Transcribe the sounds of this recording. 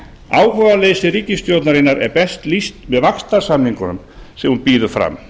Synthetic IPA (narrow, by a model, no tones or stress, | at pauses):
aːwhɔvalesɪriːcɪst̪jowt̪naɾɪnaɾɛ̰ɾpɛst̪list̪mɛðvakst̪aɾ̥samhiŋkʏnʏm | sɛmhunpiːðʏɾfɾa̰m